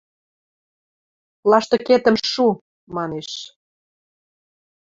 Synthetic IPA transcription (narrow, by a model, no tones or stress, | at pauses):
lɑʃt̪ɤ̆ket̪ə̆mʃu | mɑneʃ